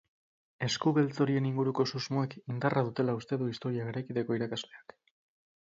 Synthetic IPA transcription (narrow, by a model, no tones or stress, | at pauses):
e̞skuβelt͡so̞ɾie̞niŋɡuɾuko̞suzmoekind̪arʔaðut̪e̞laust̪e̞ðuist̪o̞ɾiaɣeɾajkit̪e̞ko̞iɾakazle̞ak